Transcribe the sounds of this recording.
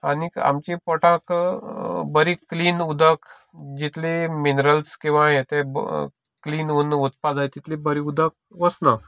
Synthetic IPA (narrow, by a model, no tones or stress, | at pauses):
anika̰mt͡ɕipɔʈãk | bəɾikliːnud̪ʱək | d͡ʑit̪leminɾəlskĩʋãɦẽt̪eb | kliːnunut̪pad͡zajt̪it̪lebəɾiud̪ʱək̚ʋəsna